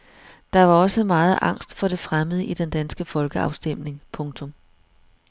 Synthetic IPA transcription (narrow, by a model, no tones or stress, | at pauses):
d̥ɑ̈ʋɑ̈ɒ̽səmɑ̈ːð̞̩ˠɑ̈ŋ̰sd̥fɒ̽ɾ̥e̝fʁaməð̞ˠəʔid̥end̥ænsɡ̥əfɒ̽lɡ̥əɑ̈ʊsd̥em̰ne̝ŋpʰɔ̽ŋt͡sʰɔ̽m